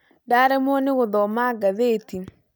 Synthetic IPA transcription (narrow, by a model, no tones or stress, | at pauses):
daɾɛmwɔnɪɣoðɔmaɡaðeti